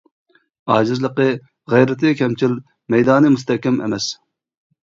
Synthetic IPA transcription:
ɑːd͡ʒɪzlˠəqə | ʁɛjɾɪt̪ʰɨkʲʰɛmt͡ʃʰil | mɛjd̪ɑːnɨmust̪ɛhkʲɛmʔḛmɛs

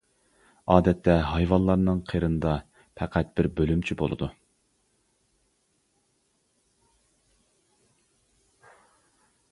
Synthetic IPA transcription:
ɑːd̪ɛt̪ʰːɛɦɑjvɑnlːˠɑɾnɨŋqʰeɾɨnɨd̪ɑ | pʰɛqʰæt̪̚b̥ɪɾbølymt͡ʃʰibo̰lˠɨ̰d̪u

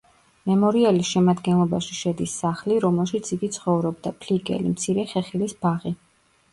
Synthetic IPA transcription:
mɛmɔɾiɛlisʃɛmad̪ɡɛnlˠɔbaʃiʃɛd̪isːaχliɾɔmɛlˠʃit̪sʰiɡit̪sʰχɔvɾɔbd̪apʰliɡɛ̰lḭmt̪sʰiɾɛχɛχilisbaʁi

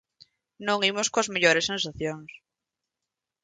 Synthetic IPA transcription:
nõŋimoskoɐzmeʎoɾesːẽnsaθjoŋs

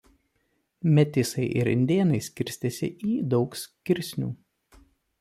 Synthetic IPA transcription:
mʲɛt̪ʲɪsɐɪʔɪ̰ɾɪ̰nʲd̪ʲeːnɐɪsʲkʲɪɾʲsʲt̪ʲeːsʲɪ̰ʔiːd̪ɒʊksʲkʲɪɾʲsʲnʲṵː

